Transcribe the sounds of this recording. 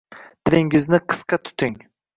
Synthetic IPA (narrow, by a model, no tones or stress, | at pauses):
t̪ʰɪɾɪŋɪznɪqʰɨ̥sqɑt̪ʰʊ̥t̪ʰɪŋ